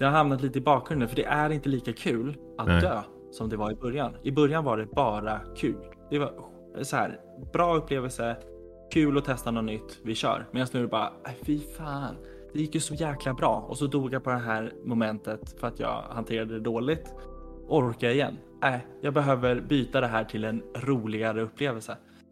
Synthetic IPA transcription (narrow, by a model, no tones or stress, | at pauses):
d̪ɛhaɾɦamnat̪liːt̪əɪbɑːkʰɾɵnd̪ənfœɖɛʔæɾɪnt̪əliːkakʰʉ̟ːl | ʔat̪̚d̪øː | sɔmd̪ɛvaɾɪbɵɾjanɪbœɾjanvaɖɛbɑːɾakʰʉ̟ːl | d̪̥ɛva | sɔhæ̰ːɾ | b̥ɾɑːɵpːleːvəlsə | kʰʉ̟ːlɔt̪ʰɛst̪anɔnʏt̪ːvɪɕœ̰ːɾmeːnast̪nʉːɾɛbɑːɾa̰æfɪfaːn | d̪̥ɛjɪkːjɵsɔjæːklabɾɑ̰ːɔ̰sɔd̪uːɡjapʰɔd̪ɛɦæːɾmʊmɛnt̪ət̪fœɾat̪jɑ̰ːɡhant̪ʰeːɾad̪əd̪ɛd̪oːlɪɡt̪ʔɔɾɾkajaɪjɛ̰nː | næɪjɑːɡ̚bɛɦøːvəɾbyːt̪ad̪ɛɦæːʈʰɪlɛnɾuːlɪɡaɾəɵpːleːvəlsə